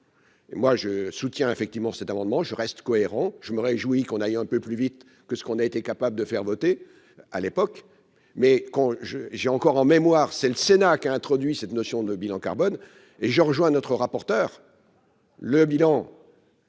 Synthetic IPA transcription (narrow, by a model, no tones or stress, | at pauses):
emwaʒəsut̪jɛ̃efɛk̚t̪ivmɑ̃sɛt̪amɑ̃d̪mɑ̃ʒəʁɛst̪kɔeʁɑ̃ʒ̥əməʁeʒuikɔ̃nayɛ̃pøplyvit̪ | kəsə̥kɔ̃naet̪ekapabləd̪əfɛʁvɔt̪e | a̰lepɔk | mɛkɑ̃ʒəʒɛɑ̃kɔʁɑ̃memwaːʁsɛləsenakaɛ̃t̪χɔd̪ɥisɛt̪nɔsjɔ̃d̪əbilɑ̃ka̰ʁbɔn | eʒəʁəʒwɛ̃nɔt̪χəʁapɔʁt̪œːʁ | ləbilɑ̃